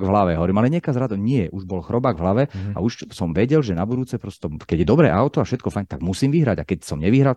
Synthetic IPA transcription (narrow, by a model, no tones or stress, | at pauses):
ɡvɦlaʋɛɦɔʋɔɾiːmalɛɲɛkazɾad̪ɔɲɪɛʔuʒbɔlxɾɔbaːɡvɦlaʋɛa̰uʃsɔmʋɛɟɛlʒɛnabud̪uːt͡sɛpɾɔst̪ɔkɛɟjɛd̪ɔbɾɛ̰ːʔaʊt̪ɔafʃɛt̪̚kɔfajɲt̪aɡmusiːmʋiɦɾaɟa̰kɛcsɔmɲɛʋiɦɾal